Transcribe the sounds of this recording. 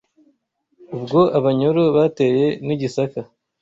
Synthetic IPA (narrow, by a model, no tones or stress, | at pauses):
ubɡo̞ʔaβaɲoɾoβate̞je̞niɟisaka